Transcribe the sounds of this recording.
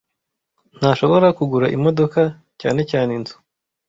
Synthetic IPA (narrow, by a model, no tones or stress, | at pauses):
n̥aʃo̞βo̞ɾakuɡuɾaʔimo̞do̞ka | caːne̞caːnenzu̥